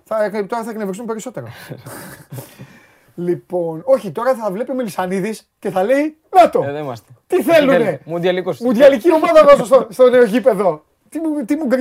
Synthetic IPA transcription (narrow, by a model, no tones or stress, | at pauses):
θɐt̪o̞ɾɐθɐknevɾisumpe̞ɾiso̞t̪e̞ɾo | lipo̞no̞çit̪o̞ɾɐθɐvle̞pimelisɐniðis | ce̞θɐle̞i | nɐt̪omɐst̪e̥t̪iθe̞lune̞mud̪iɐlikusmund̪iɐlicio̞mɐðɐðosost̪ost̪o̞ne̞oʝipe̞ðo̞ | t̪it̪imuɡɾ